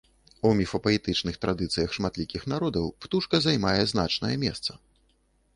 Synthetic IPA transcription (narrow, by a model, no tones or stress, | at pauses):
umʲifɐpɐɛt̪ɨt͡ʂnɨxt̪ɾad̪ɨt̪sɨjɐxʂmat̪lʲikʲixn̪aɾɔd̪ɐwpt̪uʂkɐzajmajɛzna̰t͡ʂnɐjɛmʲɛ̰st̪sɐ